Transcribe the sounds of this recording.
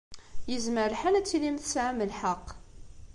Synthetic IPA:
jəzməɾħanæt͡sːilimθsʕaməlħɑqː

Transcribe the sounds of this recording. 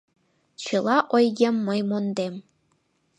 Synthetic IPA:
t͡ɕɯlˠɑʔojɡʲemːɤ̆jmond̪em

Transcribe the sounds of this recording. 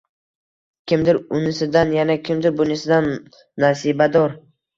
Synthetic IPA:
kʲʰɪmd̪ɪɾʊnɪsɪd̪anjanakʲʰɪmd̪ɪɾbʊnɪsɪd̪anː | asibad̪ɒɾ

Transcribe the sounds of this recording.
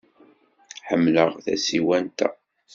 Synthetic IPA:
ħəmːləʁθæ̰siwænt̪æ̰

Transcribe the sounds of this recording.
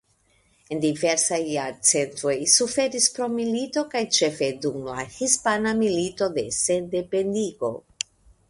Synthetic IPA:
e̞nd̪ive̞ɾsajːaɾt͡se̞nt̪ɾo̞jsufe̞ɾispɾo̞milit̪o̞kajt͡ʃe̞fe̞d̪umla̰hispanamilito̞d̪e̞sed̪epend̪iɡo̞̰

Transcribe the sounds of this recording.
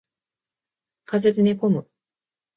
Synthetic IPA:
kazet̪eneko̞mɯ̟

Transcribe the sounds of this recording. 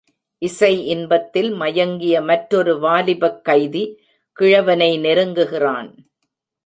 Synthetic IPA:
ʔɪsɐɪʔɪnbɐt̪ːɪlmɐjɐŋɡɪjɐmɐʈɾɔɾɯʋaːlɪbɐkːɐɪði | kɪɻɐʋɐnɐɪnɛɾɯŋɡɯɣɪraːn

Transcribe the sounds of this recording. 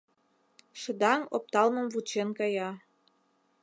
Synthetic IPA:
ʃə̆d̪ɑŋop̚t̪ɑlmɤ̆mvut͡ɕenkɑjɑ

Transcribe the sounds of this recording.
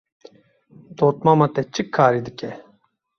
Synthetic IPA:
d̪oːt̪̚mamat̪ɛt͡ʃɨkʰːaːɾid̪ɨke

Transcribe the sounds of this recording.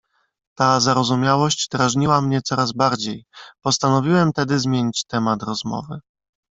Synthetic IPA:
t̪azaɾɔzumʲjawɔɕd͡ʑd̪ɾaʐɲiwamɲɛt̪sɔɾazbaɾd͡ʑejpɔst̪anɔvʲiwɛmt̪ɛd̪ɘzmʲjeɲit͡ɕt̪ɛmat̪ɾɔzmɔ̰vɘ

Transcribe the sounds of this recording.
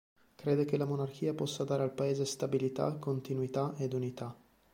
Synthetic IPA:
kɾeːd̪ek̟elamonark̟ʰiːapɔsːad̪aːɾealpaeːzest̪abilit̪a̰kːont̪inwit̪aed̪unit̪a

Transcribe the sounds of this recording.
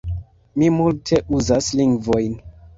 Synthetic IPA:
mimultʰe̞ʔuzasliŋɡvo̞jn

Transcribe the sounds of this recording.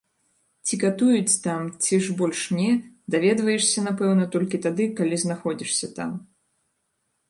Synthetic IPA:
t͡sʲikat̪ujut͡sʲt̪amt͡sʲiʐbɔlʲʂnʲɛd̪avʲɛd̪vɐjɛʂsʲɐnapɛwnɐt̪ɔlʲkʲit̪ad̪ɨkalʲiznaxɔd͡zʲiʂsʲɐt̪a̰m

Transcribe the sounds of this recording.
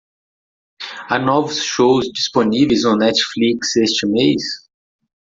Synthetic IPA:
anɔvʊsʃowzd͡ʒisponivejzõnɛt͡ʃfliksest͡ʃɪmejs

